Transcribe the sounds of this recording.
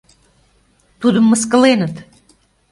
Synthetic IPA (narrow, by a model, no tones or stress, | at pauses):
t̪ud̪əmːəskəlenət̪